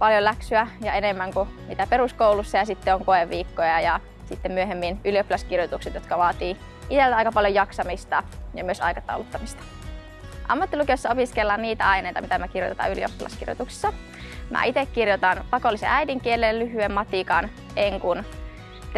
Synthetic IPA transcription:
pɑljolæksyæjɑenemːæŋkumit̪æpeɾuskowlusːɑjɑsit̪ːeoŋkoeʋʋiːkːojɑjɑ | sit̪ːemmyøɦemːinyliopːilɑskirjot̪ukset̪jot̪kɑʋɑːt̪iː | ʔit̪elt̪ɑjkɑpɑljojɑksɑmist̪ɑjɑ̰myøsɑ̰jkɑt̪ɑ̰ulut̪ːɑmist̪ɑ̥ | ʔɑ̰mːɑt̪ːilukesːɑopiskelːɑnniːt̪æɑineˑjt̪ɑ̰mit̪æmækirjo̰t̪et̪ɑ̰ylio̰pilɑ̰skḭrjo̰t̪uksi̥sːɑ | mʔæ̰it̪ekːirjot̪ɑnpɑkolːˑisḛʔæjdiŋkielillyɦyemmɑt̪ikɑn | eŋkun | t̪

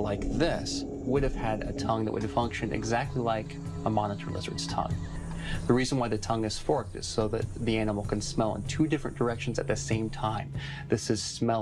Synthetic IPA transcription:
laɪk̚ðɪs | wʊɾɨv̥ɨɾɨ̰tʰʌ̃ŋðɨ̰ʔwʊ̰ɾɨv̥fʌ̃ŋkʃɨ̃ndɨ̰ɡzæk̚tʰˡlilaɪk | əmɑnəɾʰə̰˞lɪ̰zə̰˞dz̥tʰʌ̰̃ŋ | ðɨɹiz̃n̩waɪðɨtʰʌ̃ŋɨz̥fɔɹk̚tɨ̰z̥soʊðɨ̰t̪̚ðiænəml̩ˠkʰɨ̃nsmɛlˠə̰̃ntʰʉdɪfɹɨ̃nd̥ə˞ɛkʃn̩zɨ̰t̪̚ðɨsẽɪ̃mtʰãɪ̃m | ðɪsɨz̥smɛ

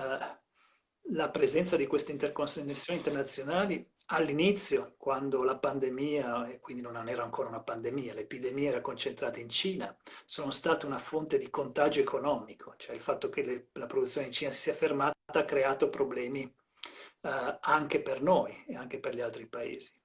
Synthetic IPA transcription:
lapɾezɛnt̪sad̪ikwest̪eint̪erkonsnesːjoːnint̪ernat̪sːjonaːli | alːinit̪sːjokwand̪olapand̪emiːaekːwind̪inononɛːɾaːŋkʰoːɾaunapand̪emiːalepid̪emieɛːɾakont͡ʃent̪ɾaːt̪eint͡ʃiːnasoːnost̪aːt̪eunafont̪ed̪ikont̪ad͡ʒoekʰonɔːmikʰot͡ʃoɛilfat̪ːok̟elelapɾod̪ut̪sjoneint͡ʃiːnasi̥siːafermaːt̪aakːɾeaːt̪opɾoblɛːmi | aŋkepernojeaŋkeperʎialt̪ɾipaḛːzi

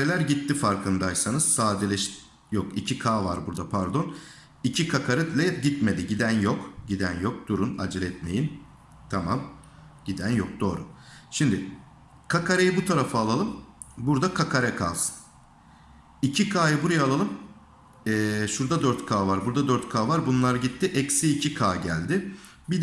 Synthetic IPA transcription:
elʲæɾɟit̪ːifaɾkʰɯnd̪aʃsanɯz̥saːd̪elʲɛʃ | jokḭcʰikʰaːvaɾbuɾd̪apʰaɾd̪o̞n | icʰikʰakʰaɾɯd̪lʲɛɟit̪me̞d̪iɟid̪ænjokɟid̪ænjo̞k̚d̪̥uɾuna̰d͡ʒlʲˠɛt̪me̞̰jin | t̪ʰamam | ɟ̥id̪ænjok̚d̪̥o̞ːɾuʃimd̪ɪ | kʰakʰaɾejibut̪ʰaɾafɯːlˠalˠɯm | buɾd̪akʰakʰaɾɛkʰa̰ːsɯ̥n | icʰikʰaːjɯbuɾajalˠalˠɯm | ɛːʃuɾd̪ad̪øɾt̪kʰaːvaɾbuɾd̪ad̪øɾt̪kʰaːvaɾbunlˠaɾɯɟit̪ːɪʔɛcsiːcʰikʰaːɟæ̰lʲd̪ɪ | bid̪

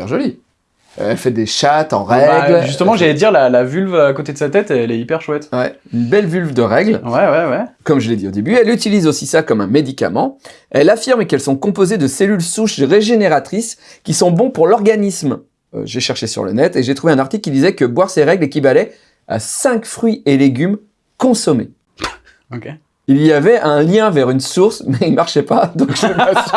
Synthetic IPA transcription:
pɛ̰ʁʒɔli | ø̰ɛlfɛd̪eʃat̪ɑ̰̃ʁɛɡlʒyst̪əmɑ̃ʒalɛd̪iʁlalavylvakot̪ed̪əsat̪ɛt̪ɛɛlɛipɛʁʃwɛt̪wɛynbɛlvylvd̪əʁɛɡlwɛwɛwɛkɔmʒəled̪iod̪ebyɛlyt̪ilizosisakɔmɛ̃med̪ika̰mɑ̰̃ | ɛlafiʁmkɛlsɔ̃kɔ̃pozed̪əselylsuʃʁeʒeneʁat̪χis | kʲisɔ̃bɔ̃puʁlɔʁɡanism | ø̰ʒeʃɛʁʃesy̰ʁlə̰nɛt̪eʒet̪χuveɛ̃naʁt̪ikʲːid̪izɛkəbwaʁseʁɛɡlekʲibalɛ | a̰sɛ̃kfχɥiʔeleɡʲym | kɔ̃sɔmḛ | oke | ilijavɛʔɛ̃ljɛ̃vɛʁynsuʁsmɛinmaʁʃɛpad̪ɔ̃kɛa

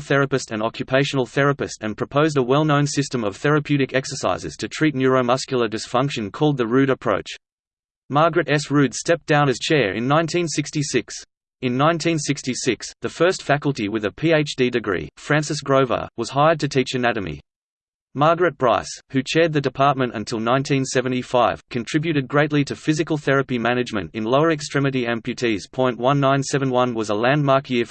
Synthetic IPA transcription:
lˠθɛɹɨpɨstɨ̃nɑ̰kʰjɨpʰeɪʃɨ̃n̩l̩ˠθɛɹɨpɨstɨ̃npʰɹ̥əpʰoʊzdəwɛlˠnõʊ̃nsɪstə̃mʌv̥θɛɹɨpʰj̥ʉɾɨkɛksə˞sa̰ɪzɨ̰z̥tʰɨtʰɹ̥itⁿnjɔɹoʊmʌskjl̩ˠə˞dɨsfʌ̃ŋkʃɨ̃nkʰɔlˠd̪̚ðəɹʉɾɨpʰɹ̥o̰ʊt͡ʃ | mɑɹɡɹɨɾɛsɹʉd̥stɛp̚d̥ãʊ̃nɨz̥t͡ʃʰɛɹɨ̰̃nːãɪ̃ntʰĩnsɪkstisɪks | ɨ̃nːãɪ̃ntʰĩnsɪkstisɪksðɨfɜ˞stfækəl̩ˠtiwɨðɨpʰieɪt͡ʃd̥idɨɡɹḭfɹæ̃nsɨs̬ɡ̥ɹoʊvə̰wʌz̥ɦaɪəd̚tʰɨtʰit͡ʃɨnæɾɨmḭ | mɑɹɡɹɨt̚b̥ɹa̰ɪshʉt͡ʃʰɛɹd̪̚ðɨdɨpʰɑɹt̚mɨ̃ntɨ̰̃ntʰɪlˠnãɪ̃ntʰĩnsɛvɨ̃ñ̩tifaɪv̥kʰɨ̃ntʰɹ̥ɪbjʉɾɨd̚ɡɹeɪʔˡliɾɨfɪzɨkəl̩ˠθɛɹɨpimæñɨd͡ʒmɨ̰̃ntɨ̃nloʊə˞ɨkstɹ̥ɛmɨɾiɛ̃mpʰjʉtʰiz̥pʰɔ̃ɪ̃nʔwʌ̃nːãɪ̃nsɛvɨ̃nwʌ̃nwʌzəlæ̃nmɑɹkʰjɪɹ

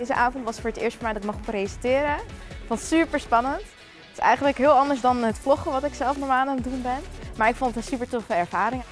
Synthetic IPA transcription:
jzəʔaːvɔntʋɑstfʊːɹətɪ̰ːɹstfəmɛjdɑtɪkmɑχpresəntɪːɾəɪkfonttsypəɹspɑnənt | ɪ̥sɛ̰jχənləkɦɪːlˠɑndəsdɑnɦətflɔχəʋɑtɪksɛlˠfnɔɹmaːnandunbɛnmaːɹɪkfontətsypəɹtofəɛɹvaːɾɪŋ

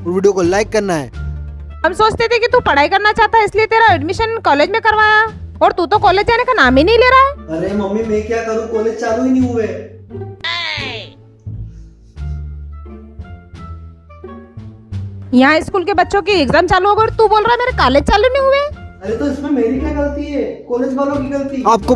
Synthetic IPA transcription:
ʋiːɖijokolaːɪkːɐɾnaɦɛ̰ː | ɦɐmsoːt͡ʃt̪et̪ʰekit̪upɐɽ̤aːikɐɾnat͡ʃaːɦt̪aɦɛɪsliet̪eːɾaɛɖmɪʃənkɔːleːd͡ʒmẽkɐɾʋaːjaɔːɾt̪ut̪õkɔːleːd͡ʒd̪aːnekanaːmẽnɐɦĩleːɾaaɦɛːɐɾemɐmːimɛ̃kjakɐɾũkɔːleːd͡ʒt͡ʃaːlũinɐɦĩɦʊeː | jɐɦãɪskuːlkebɐtːʃõk̬ieɡzaːmt͡ʃaːluɦoːɡeɔt̪uboːlɾaɦɛmeːɾekaːleːd͡ʒt͡ʃaːlunɐ̃ĩɦʊeːɐɾet̪oɪsmẽmeːɾikjaɡɐlt̪iɦɛːkɔːleːd͡ʒʋaːlõkiɡɐlt̪iaːp̚ko

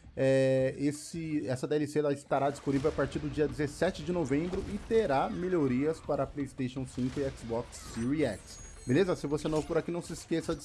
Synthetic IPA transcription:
ɛesɪɛsɐd̪eɛliseɛlɪst̪aɾad͡ʒisponivewapaɾt͡ʃiɾd̪ʊd͡ʒiɐd͡ʒɪzesɛt͡ʃɪd͡ʒɪnovẽmbɾʊʔɪt̪eɾameʎoɾiɐspaɾɐplejist̪eʃõw̃sĩŋkʊɪɛksbɔksːiɾiɛks | belezɐsɪvosenõpoɾakinɐ̃w̃sɪskesɐd͡ʒ

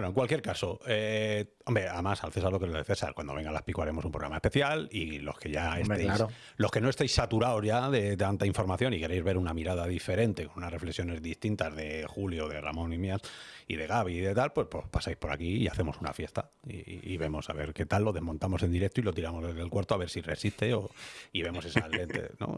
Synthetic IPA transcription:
enoeŋkwalkje̞ɾkaso̞e | ombɾeaðemasa̰lθe̞saɾlo̞kɾeeθe̞sa̰ɾkwand̪oeŋɡalaspikwaɾe̞mo̞sumpɾoɣɾa̰maespeθjalilo̞̰ske̞ʝaḛse | lo̞ske̞no̞est̪ejsːat̪uɾaozʝaðe̞t̪ant̪aiɱfo̞ɾmaθjo̞nike̞ɾejzβe̞ɾunamiɾaðaðife̞ɾe̞nt̪e̞ko̞nunasre̞flesjo̞ne̞zðist̪int̪azðe̞xuljoðe̞̰ra̰mõ̞nimjasiðe̞ɣaβ̞iːðe̞t̪alpwe̞spopasajspo̞ɾa̰kiia̰θe̞mo̞suna̰fje̞st̪a | ḭːβe̞mo̞sa̰βe̞̰ɾke̞t̪alːo̞ðe̞zmõnt̪amo̞se̞nd̪iɾe̞k̚t̪oilo̞t̪iɾamo̞zðezðe̞lkwaɾt̪oaβe̞ɾsire̞̰sist̪e̞oiβe̞mo̞se̞saent̪ḛno̰

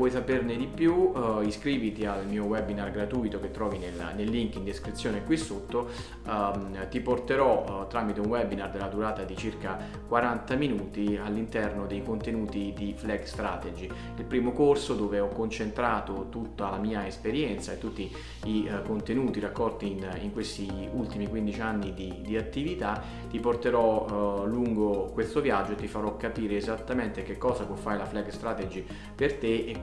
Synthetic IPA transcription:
wɔjsaperned̪ipjuiskɾiːvit̪ialmiːowɛbinarɡɾat̪uːjt̪ok̟et̪ːɾɔːvinel̰nelːiŋkind̪iskɾit̪sːjoːnekwisːot̪ːo | t̪iport̪eɾɔt̪ːɾaːmit̪eunwɛbinard̪elːad̪uɾaːt̪ad̪it͡ʃirka | kwaɾant̪aminuːt̪ialːint̪ɛrnod̪ejkont̪enuːt̪id̪iflɛɡst̪ɾa̰t̪ed͡ʒi | ilpɾiːmokorsod̪oːveɔkːont͡ʃent̪ɾaːt̪ot̪ut̪ːalamiːaespeɾjɛnt̪saet̪ːut̪ːi | ikont̪enuːt̪iɾakːɔlt̪iniŋkwest̪iult̪imikwind̪it͡ʃianːid̪id̪iat̪ːivit̪a | t̪iport̪eɾɔluŋɡokwest̪ovjad͡ʒːoet̪ːifaɾɔkːapiːɾeːzat̪ːament̪ek̟ekːɔːzapwɔfːaɾelaflɛɡst̪ɾat̪ed͡ʒi | pert̪ee

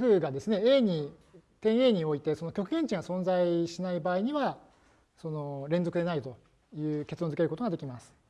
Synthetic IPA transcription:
ɸɯːɡad̪e̞sɨne̞eɲ̟i | t̪ẽ̞ɰ̃e̞ːɲ̟io̞it̪e̞so̞no̞kʲo̞kɯ̟ɡẽ̞ɲ̟t͡ɕĩŋɡasõ̞nd͡zaiɕinaibaːiɲ̟iβa | so̞no̞ɾẽ̞nd͡zo̞kɯ̟d̪e̞nait̪o̞ | jɯ̟ːke̞t͡sɨd̪onzɨ̟ke̞ɾɯ̟kot̪oɡad̪ekʲimasɨ̥

